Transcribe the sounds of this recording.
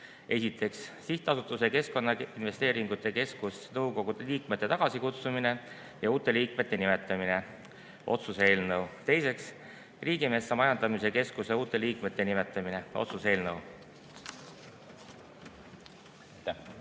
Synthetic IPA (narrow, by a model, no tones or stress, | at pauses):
e̞sit̪ʰːˑe̞ksːiht̪ɑsut̪ːˑuse̞ke̞sko̞nːɑinve̞st̪eːɾiŋɡut̪ːˑe̞ke̞skusnɤwko̞ɡ̥ud̪̥eliːkmet̪ˑːe̞t̪ɑɡ̥ɑsikut̪sumine̞ | jɑuːt̪ːˑe̞liːkme̞t̪ːe̞nime̞t̪ːˑɑmine̞ | ʔo̞̰t̪suse̞ːlnɤwt̪e̞jse̞ks | riːɡ̥ime̞ːsːɑmɑjɑnd̪̥ɑmiseke̞skuse̞uːt̪ːˑe̞liːkme̞t̪ːe̞nime̞t̪ːˑɑmine̞ʔo̞̰t̪suse̞ːlnɤw